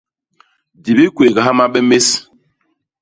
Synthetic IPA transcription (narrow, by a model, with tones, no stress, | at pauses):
di˨bi˦kwe˨ɡa˨ɦa˦ma˦ɓɛ˦me˦s